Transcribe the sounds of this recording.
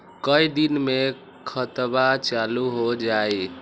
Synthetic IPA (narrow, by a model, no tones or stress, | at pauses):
kəid̪inme | kʰət̪bat͡ʃaluɦod͡ʒae